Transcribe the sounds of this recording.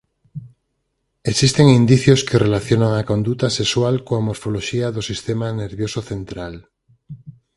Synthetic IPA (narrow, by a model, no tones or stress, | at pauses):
eksist̪eŋind̪iθjoskerelaθjonaŋako̞nd̪ut̪asekswalkoamoɾfoloʃiaðosist̪emaneɾβjosoθent̪ɾal